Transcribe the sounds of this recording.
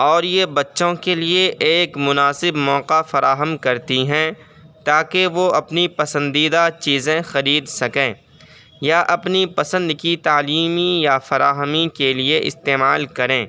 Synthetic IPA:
ɔːɾjebɐtːʃõkelieʔeːkmʊnaːsɪbmɔːqafɐɾaːɦəmkɐɾt̪iɦɛ̃ | t̪aːkeʋoʔɐpnipɐsə̃nd̪iːd̪at͡ʃiːzẽxɐɾiːd̪sɐkẽː | jaʔɐpnipɐsə̃nd̪kit̪aːliːmijafɐɾaːɦəmikelieʔɪ̰st̪eːmaːlkɐɾẽː

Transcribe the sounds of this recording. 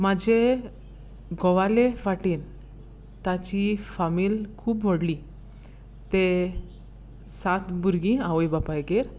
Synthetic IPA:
mad͡ʑe | ɡɔʋaleʋaʈiːn | t̪at͡ɕifamiːlkʰuːbʋəɽli | t̪e | sat̪bʱuɾɡĩawojbapajɡeɾ

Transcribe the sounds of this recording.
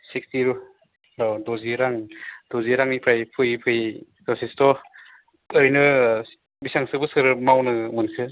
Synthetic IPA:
sik̚stiɾu | ɾadɔziɾaŋd̥oziɾaŋnipʰɾajpʰɯjpʰɯj | dɔsistɔ | pɯɾinɯ | bisaŋsɯbɯsɯɾmawnɯmɯnkʰɯ

